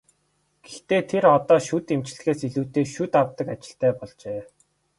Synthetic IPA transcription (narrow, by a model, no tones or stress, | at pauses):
ɡ̥ext̪eːt̪ʰeɾɔt̪ɔːʃut̪emt͡ɕ̆ɮxeːsiɮuːt̪eːʃut̪awt̪ə̆kat͡ɕɪ̥̆ɬt̪æːpɔɮt͡ɕeː